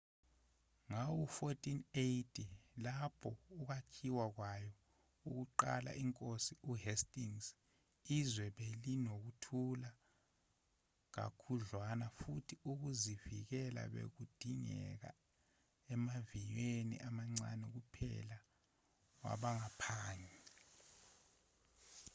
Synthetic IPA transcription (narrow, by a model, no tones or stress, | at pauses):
ŋawufotʼinejtʰʼilapʰɔuk̬akʰiwak̬wajɔ | uk̬uǃa̰la̰iŋkʼosiuhestʼiŋz | izwɛɓelinok̬utʰula | k̬a̰kʰuɮwanafutʰiuk̬uzivik̬ɛla̰ɓḛk̬ud̥ʱiɲɛ̰k̬a̰ | ɛmavijwenḭʔamaŋ͡ǀa̰nɛk̬upʰɛ̰la | wa̰ɓaŋapʰaːɲɛ